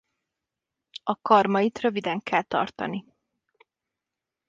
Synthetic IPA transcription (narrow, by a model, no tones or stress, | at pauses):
ɒkɒrmɒjit̪røvid̪ɛŋkʰɛlt̪ɒ̰rt̪ɒ̰ni